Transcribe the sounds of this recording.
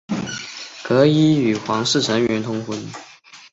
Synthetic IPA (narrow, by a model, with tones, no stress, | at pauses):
kɤ˧˥i˥y˨˩xwɑ˧˥ŋʂɻ̩˥˩ʈ͡ʂʰə˧˥ŋɥɛ˧˥nt̪ʰʊ˥ŋxwə˧˥n